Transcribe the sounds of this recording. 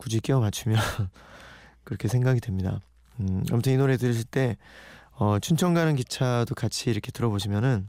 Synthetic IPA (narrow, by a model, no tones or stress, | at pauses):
kud͡ʑik͈iʌmat͡ɕʰumjʌn | kɯɾʌkʰe̞sʰe̞ŋɡaɡidwe̞mɲida̰ | a̰mɯtʰɯninoɾe̞tɯɾʌs̬ʰiɭt͈e̞ | ʌt͡ɕʰunt͡ɕʰʌŋɡanɯnkit͡ɕʰadokat͡ɕʰiːɾʌkʰe̞tɯɾʌboɕʰimjʌnɯn